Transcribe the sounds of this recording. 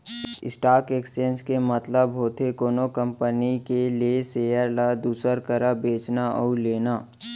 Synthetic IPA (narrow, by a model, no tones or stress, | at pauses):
ɪ̰sʈaːɾkeːksd͡ʒẽnskemət̪ləbɦoːt̪ʰekoːnokə̃mpənikelieseːjəɾlad̪uːsəɾkəɾabeːt͡ʃnaʔɔ̰ːleːnaː